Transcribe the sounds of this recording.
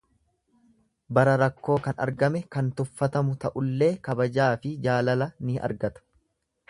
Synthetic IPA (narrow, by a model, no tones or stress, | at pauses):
bɐɾɐɾɐkːo̞ːkɐnɐ̰ɾɡɐmɛkɐnt̪ʊfːɐt̪ɐmʊt̪ɐʔʊlːe̞ːkɐbɐd͡ʒaːfɪd͡ʒaːlɐlɐnɪɐ̰ɾɡɐt̪ɐ̥